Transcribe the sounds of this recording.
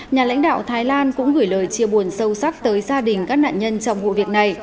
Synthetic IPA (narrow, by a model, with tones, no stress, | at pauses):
ɲaː˨˩la̰˧˥jŋ̟ɗa̰ː˧˨wt̪ʰaː˨˦jlaː˧nkʊ̰˧˥ŋ͡mɣɨ˧˩jləː˨˩jt͡ɕi˧˩əwɓu˨˩ənsə˧wsa˦˥k̚t̪əː˨˦jzaː˧ɗï˨˩ŋ̟kaː˦˥k̚na̰ː˧˨nɲə˧nt͡ɕɔ˧wŋ͡mvṵ˧˨vi˨˩ək̚na˨˩j